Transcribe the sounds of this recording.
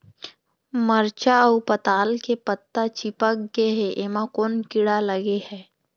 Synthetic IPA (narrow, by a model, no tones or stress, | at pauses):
məɾt͡ʃaupət̪aːlkepət̪ːat͡ʃipək̚ɡeɦeʔemakoːnkɪɽaləɡehɛː